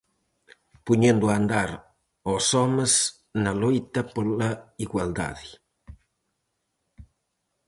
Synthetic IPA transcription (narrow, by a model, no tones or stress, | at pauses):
puɲend̪uand̪aɾ | osɔməs | nalojt̪ɐpolaiɣwald̪a̰ði